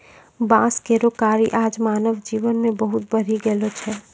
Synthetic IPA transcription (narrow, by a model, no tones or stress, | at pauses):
bãːskeɾokaːɾiʔaːd͡ʒmaːnəʋd͡ʒiʋənmẽbəɦʊt̪̚bəɾ̤iɡeːlot͡ʃʰɛː